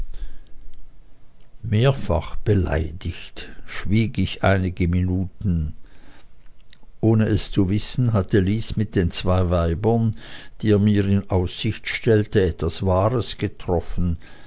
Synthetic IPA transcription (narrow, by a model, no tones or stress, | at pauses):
meːɐfa̰χb̥əla̰ɪdɪçtʃv̥iːɡɪçʔa̰ɪnɪɡəminuːtn̩ | ʔoːnəʔɛst͡suvɪsn̩ɦatʰəliːsmɪt̚d̥eːnt͡sv̥aɪvaɪbɐnd̥iːeːɐmiːɪnʔaʊsz̥ɪçtʃtɛltəɛtv̥asv̥aːʁəsɡ̥ətʁ̥ɔfən̩